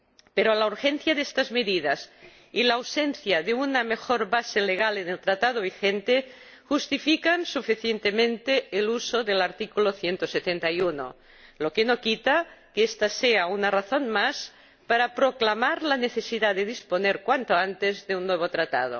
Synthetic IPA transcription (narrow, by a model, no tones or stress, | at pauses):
peɾolauɾxen̟θjaðest̪azmeðiðas | ilawsenθjaðeunamexoɾβaseleɣ̞alenelt̪ɾat̪að̞oβixent̪e | xust̪ifikansufiθjent̪emẽnt̪eːlusoðelaɾt̪ikuloθjent̪oset̪ent̪ajuno̰ | lokenokit̪akeest̪aseaunaraθonmas | paɾapɾoklamaɾlaneθesiðaðeðisponeɾkwant̪oant̪ezðeunːweβ̞ot̪ɾat̪a̰ð̞o̰